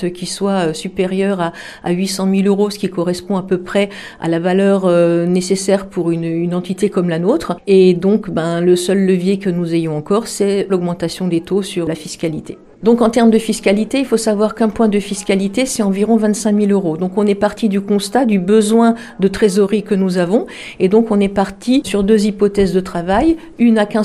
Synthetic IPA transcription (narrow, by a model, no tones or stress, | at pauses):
t̪kʲiswaøsypeʁjœʁa̰ː | ɥisɑ̃miløʁosə̥kʲikɔʁɛspɔ̃apøpχɛ | a̰lavalœʁønesesɛʁpuʁynynɑ̃t̪it̪ekɔmlanot̪χed̪ɔ̃kbɛ̃ləsœlːəvjekənuzejɔ̃ɑ̃kɔʁsɛlɔɡmɑ̃t̪asjɔ̃d̪et̪osyʁlafiskʲalit̪e | d̪ɔ̃kɑ̃t̪ɛʁmd̪əfiskʲalit̪eilfosavwaʁkɛ̃pwɛ̃d̪əfiskʲalit̪esɛt̪ɑ̃viʁɔ̃vɛ̃t̪sɛ̃miløʁod̪ɔ̃kɔ̃nɛpaʁt̪id̪ykɔ̃st̪ad̪ybəzwɛ̃ | d̪ət̪χezɔʁikənuzavɔ̃ | ed̪ɔ̃kɔ̃nɛpaʁt̪ʰisyʁd̪øzipɔt̪ɛzd̪ət̪χavaj | ynakʲɛ̃